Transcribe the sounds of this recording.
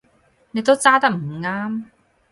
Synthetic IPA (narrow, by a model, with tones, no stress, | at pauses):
ne˧jt̪̬o˥wt͡saː˥t̪ɐ˥k̚m̩˨˩ŋaː˥m